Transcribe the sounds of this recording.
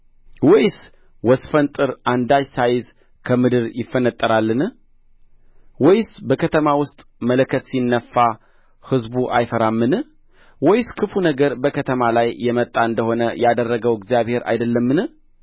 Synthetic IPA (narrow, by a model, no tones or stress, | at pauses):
wɔjs | wɔsfənt̪ʼɨɾand̪ajsajɪz | kʰəmɨd̪ɨɾjɪfːənət̪ʼːəɾalːɨn | wɔjsbəkʰət̪ʰəmawʊst̪ʼmələkʰət̪sinːəfːa | hɨzbuʔa̰jfəɾamːɨnɨ | wɔjskʰɨfunəɡəɾbəkʰət̪ʰəmalajjːɛmət̪ʼːaɨnd̪əho̞nəjad̪ərːəɡəwɪɡzijaβhe̞ɾa̰jd̪əlːəmːɨnɨ